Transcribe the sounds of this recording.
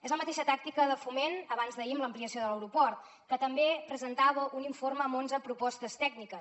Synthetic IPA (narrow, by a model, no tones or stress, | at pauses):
ezləmət̪eʃət̪ak̚t̪ikəðəfumenəβanzðəimləmpliəsioðələwɾupɔrt̪ | kət̪əmbepɾəzənt̪aβəʔuniɱforməːmonzəpɾupɔst̪əst̪ɛɡnikəs